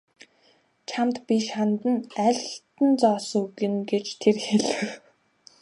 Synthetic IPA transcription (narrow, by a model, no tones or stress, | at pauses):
t͡ɕʰamt̪piʃχant̪ə̆næɮʲɬt̪ə̆nt͡sɔːsɵɣɪ̆nɡet͡ɕt̪ʰerxeɮɘ̆w